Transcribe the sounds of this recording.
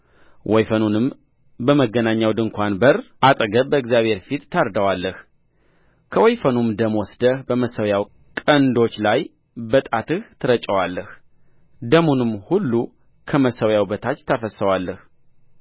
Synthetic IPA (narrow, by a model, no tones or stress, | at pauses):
wʔɔjfənunɨm | bəməɡːənaɲːawd̪ɨŋkʷʰanbərʔat̪ʼəɡəbbəɨɡzjaβhe̞ɾfit̪ːʰaɾd̪əwalːəh | kʰəwɔjfənumd̪əmwɔsd̪əhbəməsəwjaw | kʼənd̪o̞t͡ʃːlaj | bət̪ʼat̪ʰɨht̪ʰɨɾət͡ʃʼːəwalːəh | d̪əmunɨmhulːu | kʰəməsəwjawbət̪ʰat͡ʃːt̪ʰəfəsəwalːəh